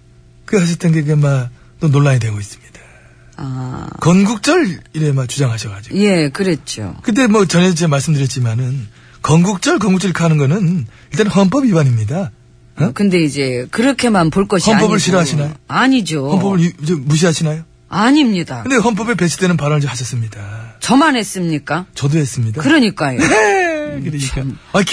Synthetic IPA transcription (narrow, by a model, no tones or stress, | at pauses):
kɯɦaɕ̬ʰʌt͈ʰenɡekema | t͈onoɭːaɲidweɡois͈ɯ̥mɲid̥ḁ | akʌnɡuk̚t͡ɕ͈ʌɭiɾemakt͡ɕud͡ʑaŋɦaɕʰʌkad͡ʑiɡje̞kɯɾet͡ɕ͈o̰kɯt̬͈e̞mwʌt͡ɕʌnet͡ɕemaɭs͈ɯmdɯɾjʌt̚t͡ɕ͈imanɯn | kʌnɡuk̚t͡ɕ͈ʌɭkʌnɡuk̚t͡ɕ͈ʌɭikʰaanɯnɡʌnɯn | iɭt͈anɦʌnp͈ʌbibaɲimɲida | kɯnde̞id͡ʑe̞kɯɾʌkʰe̞manpoɭk͈ʌɕʌnap͈ʌbɯɭɕʰiɾʌɦaɕʰinajoaɲid͡ʑohʌnp͈ʌbɯɭid͡ʑemuɕ̬ʰiɦaɕʰinajo | aɲimɲidakɯndehʌnp̬͈ʌbepe̞t͡ɕʰidwenɯnpaɾʌnɯd͡ʑohaɕʰʌs͈ɯmɲidat͡ɕʌmanɦe̞s͈ɯmɲik͈at͡ɕʌdoɦe̞s͈ɯmɲidakɯɾʌɲik͈ajoekɾek͈aʌkʰ